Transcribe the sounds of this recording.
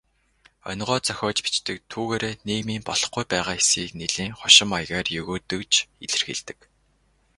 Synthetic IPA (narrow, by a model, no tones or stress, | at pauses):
ɔ̰nɢɔːt͡sœxʲɔːt͡ɕpi̥t͡ɕt̪ɘ̆k̚t̪ʰuːɣeːɾeːneːmiːmpɔɮɞ̆χɡujpæːʁaːxesiːkneɮiːŋχɔʃɪ̆majɣaːrjɵɣoːt̪ɵ̆kt͡ɕʰeɮɘ̆rxḛɮt̪ɘ̥̆k